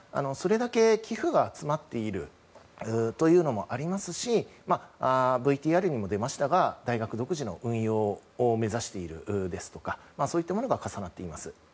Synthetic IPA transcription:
a̰no̞so̞ɾe̞d̪ake̞kʲiɸɯ̟ɡaːt͡sɨmat̪ːe̞iɾɯ̟ | ɯt̪o̞jɯ̟ːno̞mo̞ʔaɾʲimasɨɕimaabɯ̟it̪ʲiːaɾɯ̟ɲ̟imo̞d̪e̞maɕi̥t̪aɡad̪aiɡakɯ̟d̪o̞kɯ̟ʑino̞ʔɯ̟̃ɰ̃jo̞ːome̞zaɕi̥t̪e̞iɾɯ̟̰ʔd̪e̞sɨ̥t̪o̞̥kamaso̞ːit̪ːamo̞no̞ɡakasanat̪ːe̞imasɨ

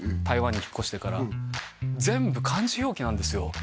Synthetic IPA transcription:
t̪aiβãɲ̟ːiçi̥kːo̞ɕi̥t̪e̞kaɾa̰ | d͡zẽ̞mbɯ̟kʰãɲd͡ʑiço̞ːkʲinãnd̪e̞sɨjo̞

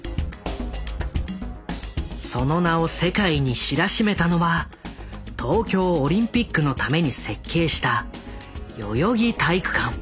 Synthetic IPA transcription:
so̞no̞nao̞se̞kaiɲ̟iɕiɾaɕime̞t̪ano̞βa | t̪ʰo̞ːkʲo̞ːɾʲĩmpʲikːɯ̟no̞t̪ame̞ɲ̟ise̞kʰːe̞ːɕi̥t̪a | jo̞̰jo̞ɡʲit̪aikɯ̟̥kãŋ

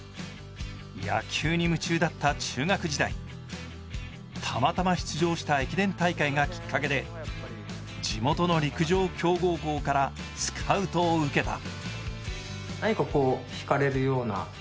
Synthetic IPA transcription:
ja̰kʲʰɨːɲ̟imɯ̟t͡ɕɨːd̪at̪ːat͡ɕɨːŋakɯ̟ʑid̪aḭ | t̪ʰamat̪amaçi̥t͡sɨʑo̞ːɕi̥t̪aekʲid̪ẽ̞nt̪aikaiɡakʲi̥kːake̞d̪e̞ | d͡ʑimo̞t̪o̞no̞ɾʲikɯ̟ʑo̞ːkʲo̞ːɡo̞ːɡo̞ːkaɾa | sɨ̥kʰaɯ̟t̪o̞ːɯ̟ke̞t̪a̰ | naɲikako̞ːçi̥kaɾe̞ɾɯ̟jo̞ːna̰

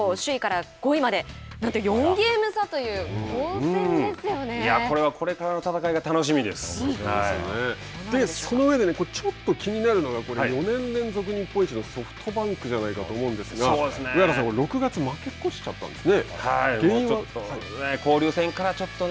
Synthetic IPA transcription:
oɕɨikaɾaɡ̥o̞imad̪e̞ | nãnt̪ojõ̞ŋɡʲeːmɯ̟sat̪o̞jɯ̟̃ː | esjojako̞ɾe̞βako̞ɾe̞kaɾano̞t̪at̪akaiɡat̪ano̞ɕ̬imʲid̪e̞sɨ̥a̰io̰ne | d̪e̞so̞noɯ̟ed̪e̞ne̞kot͡ɕot̪ːo̞kʲiɲ̟inaɾɯ̟no̞ɡako̞ɾeaijo̞nẽ̞nɾẽ̞nzo̞k̬ɯ̟ɲ̟ĩpːo̞ĩɲt͡ɕino̞so̞ɸɯ̟̥t̪ʰo̞bãŋkɯ̟ʑanaikat̪o̞ːmo̞ɯ̃nd̪e̞sɨɡaoːd̪esɨneakaɾaskoɾo̞kɯ̟ɡat͡sɨmake̞kːoɕi̥t͡ɕa̰t̪ːã̰nd̪e̞sɨnehaimɡẽoːĩoat̪ːoeko̞ːɾʲɨːsẽ̞ŋkaɾat͡ɕo̞t̪ːo

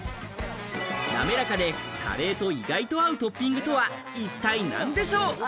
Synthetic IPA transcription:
d̪a̰me̞ɾakad̪e̞kʰa̰ɾe̞ːt̪o̞iɡait̪o̞aɯ̟t̪o̞pʲːĩŋɡɯ̟t̪o̞βa | it̪ːainã̰nd̪e̞ɕo̞ː

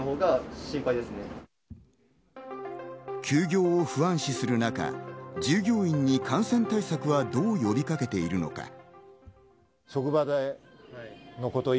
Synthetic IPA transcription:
ɦoːɡaɕĩmpaid̪e̞sɨne | kʲɨːɡʲo̞ːoɸɯ̟ãɰ̃ɕisɨɾɯ̟naka̰d͡ʑɨːɡʲo̞ːĩɲ̟ːikʰãɰ̃sẽ̞nt̪aisakɯ̟βad̪o̞ːjo̞bʲikake̞t̪e̞iɾɯ̟no̞̰ka̰ | ɕo̞kɯ̟bad̪ai | no̞ko̞t̪o̞

